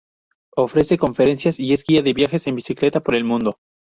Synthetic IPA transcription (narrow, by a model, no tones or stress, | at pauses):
o̞fɾe̞se̞ko̞ɱfe̞ɾe̞nsjasie̞zɡiaðe̞βjaxe̞se̞mbisikle̞t̪apoɾe̞lmũnd̪o̞